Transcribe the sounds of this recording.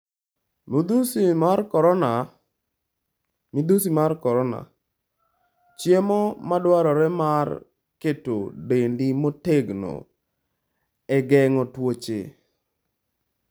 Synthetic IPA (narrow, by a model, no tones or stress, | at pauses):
mod̪usimakɔɾɔna | mid̪usimarkɔɾɔna̰ | t͡ʃjemɔmadwaɾɔɾɛmar | ketodendimoteɡno̰ | ɛɡɛŋɔtwot͡ʃe